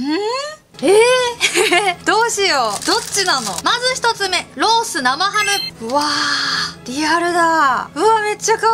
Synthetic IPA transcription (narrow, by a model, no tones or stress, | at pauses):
ɯ | e | d̪̥o̞ːɕijo̞d̪̥o̞t͡ɕːinano̞̰mazɨçi̥t̪o̞t͡sɨme̞ɾo̞ːsɨnamaɦamɯ̟ɯβa | ɾʲiaɾɯ̟d̪aɯame̞t͡ɕːaka